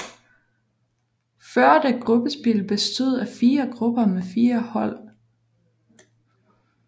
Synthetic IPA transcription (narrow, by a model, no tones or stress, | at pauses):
fɶɐ̰d̥eɡ̥ʁub̥əsb̥ilb̥e̝sd̥oð̞̰ˠæfiːɐɡ̥ʁub̥ɐmefiːɐhɒ̽l̰